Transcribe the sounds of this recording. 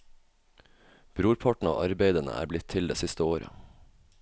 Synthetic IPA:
b̥ɾuːɾpʰɑʈɳ̩ɑ̰ːʔɑɾbeɪd̪ənə̰ʔæ̰ːɾblɪt̪ʰːɪld̪ḛːsɪst̪əoːɾə̰

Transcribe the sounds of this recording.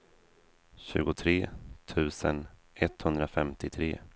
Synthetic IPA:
ɕʉ̟ːɡʊt̪ʰɾeːt̪ʰʉ̟ːsən | ʔɛt̪ːhɵnd̪ɾafɛmt̪ɪt̪ʰɾeː

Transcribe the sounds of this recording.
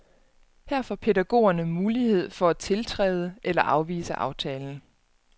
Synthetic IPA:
hæɐ̰fɒpʰe̝dæɡ̥o̝̰ːɐnəmuːlihe̝ð̞̰ˠfɒ̽æt͡sʰe̝lt͡sʰʁɛ̰ːð̞ˠəʔelɐʔɑ̈ʊʋḭːsəʔɑ̈ʊt͡sʰɛːln̩

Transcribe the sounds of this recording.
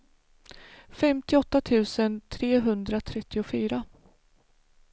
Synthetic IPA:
fɛmt̪ɪɔt̪ːat̪ʰʉ̟ːsənt̪ʰɾeːɦɵnd̪ɾat̪ʰɾɛt̪ːɪʊfyːɾa

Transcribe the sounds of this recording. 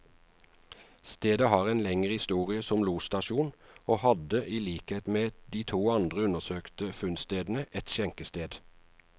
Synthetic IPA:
st̪eːd̪əhɑːʁeːnlɛŋəʁhɪst̪uːʁɪəsɔmluːst̪ɑʃuːnoːhɑd̪əʔiːliːkheːt̪meːd̪iːt̪ʰuːɑnd̪ʁəʉnəsøːkt̪əfʉnst̪eːd̪n̩əʔɛt̪ʃɛŋkəst̪eːd̪

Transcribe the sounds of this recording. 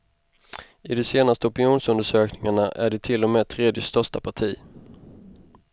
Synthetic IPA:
ɪd̪ɔseːnast̪əɔpɪnjuːnsɵnd̪əʂøːknɪŋaɳaʔæɖɛt̪ʰɪlːɔmeːt̪ʰɾeːd̪jəst̪œʂʈapʰaʈʰiː

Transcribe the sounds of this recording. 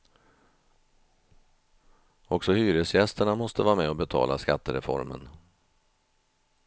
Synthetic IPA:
ɔksɔhyːɾəsjɛst̪əɳamɔst̪əvɑːɾamɛɔbɛt̪ʰɑ̰ːlaskat̪ːəɾɛfɔ̰ɾmə̰n

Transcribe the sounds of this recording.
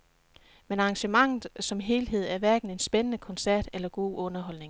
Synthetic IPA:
menɑ̈ːŋɕəmɑ̈ŋ̰ð̩ˠsɒ̽mɦe̝ːlɦe̝ð̞̰ˠæɐʋæɐɡ̥n̩e̝nsb̥enənəkʰɒ̽nsæɐ̰d̥elɐɡ̥o̝̰ːɔ̽nɐɦɒ̽l̰ne̝ŋ

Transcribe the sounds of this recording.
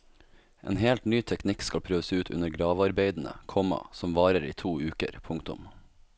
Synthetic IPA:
ʔḛːnɦeːlt̪nyːt̪ʰɛknɪkskɑlpʰɾøːʋəseʉːt̪ʰʉ̰nəɾɡɾɑːʋɑɾbeɪd̪n̩ə̰kʰɔmɑ̰sɔmʋɑːɾəɾiːt̪ʰuːʉːkə̰ɾpʰʊŋkt̪ʊ̰m

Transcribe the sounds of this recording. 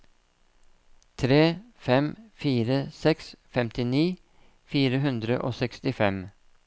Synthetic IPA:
t̪ʰɾeːfɛmfiːɾəsɛksfɛmt̪ɪniː | fiːɾəɦʉnd̪ɾəʔo̰ːsɛkst̪ɪfɛm

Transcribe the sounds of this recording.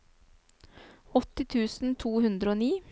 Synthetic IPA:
ɔt̪ɪt̪ʰʉːsn̩t̪ʰuːhʉnd̪ɾəoːniː

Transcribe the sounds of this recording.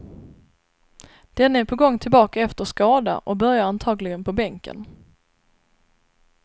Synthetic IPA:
d̪̥ɛnːaæːɾpʰɔɡɔŋːt̪ʰɪlbɑːkaɛft̪əskɑːd̪a̰ʔɔbœɾjaɾant̪ʰɑːɡlɪɡənpʰɔbɛŋkə̰n

